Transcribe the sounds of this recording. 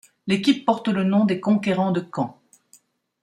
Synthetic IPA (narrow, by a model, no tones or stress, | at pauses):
lekʲipːɔʁt̪lənɔ̃d̪ekɔ̃keʁɑ̃d̪əkɑ̃